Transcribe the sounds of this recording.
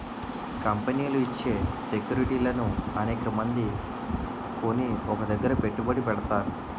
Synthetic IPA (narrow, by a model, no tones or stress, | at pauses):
kɐmpeniːluit͡ʃːe̞ːsekjuːɾiʈiːlɐnuɐneːkɐmɐnd̪i | ko̞niɔkɐd̪ɐɡːɐɾɐpe̞ʈːubɐɽipɛɽɐt̪aːɾu